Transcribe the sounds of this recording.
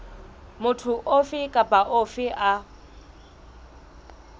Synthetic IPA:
mʊtʰʊʔofɪkʼapʼaʔofɪʔa

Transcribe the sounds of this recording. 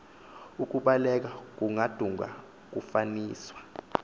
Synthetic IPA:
uk̬uɓalɛk̬ak̬uŋad̥ʱuŋɡa̰ | k̬ufaniːswḁ

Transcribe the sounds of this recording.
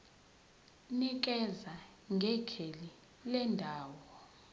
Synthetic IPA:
nik̬ɛza | ŋɡʱɛkʰeli | lɛndʱaːwɔ

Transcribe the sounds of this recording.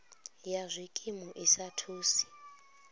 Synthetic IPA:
jazʷikʼimuʔisatʰuːsi̥

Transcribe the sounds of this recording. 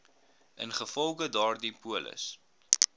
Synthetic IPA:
ʔənχəfɔlˠɡədɑːrdipuələ̰s

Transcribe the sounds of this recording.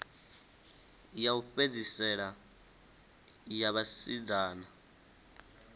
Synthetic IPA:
jauɸed͡zisɛɺa | jaβasid͡zaːna

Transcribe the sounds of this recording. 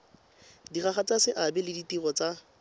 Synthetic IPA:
diχaχat͡sasɪʔabɛlɪditiɣɔt͡sa

